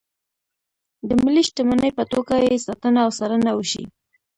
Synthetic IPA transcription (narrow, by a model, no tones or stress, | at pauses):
d̪əmiliʃʈəmənəjpət̪oɡajesat̪ənaːwsaɾənawəʃḭ